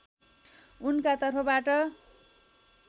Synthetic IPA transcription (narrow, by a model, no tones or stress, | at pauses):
unkat̪ʌrpʰʌbaʈʌ